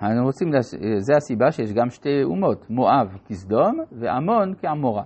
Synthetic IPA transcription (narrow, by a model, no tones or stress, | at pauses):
anuʁot͡simlazeasibaʃejɛʃɡamʃteṵmot̪moʔavkisd̪omveʔa̰monkeamoʁa